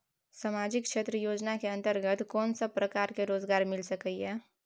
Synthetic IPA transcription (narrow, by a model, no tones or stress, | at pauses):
samaːd͡ʒɪkʃeːt̪ɾəjoːd͡ʒnakeɐ̃nt̪əɾɡət̪kɔːnsapɾəkaːɾkeɾoːzɡaːɾmɪlsəkəiɦɛː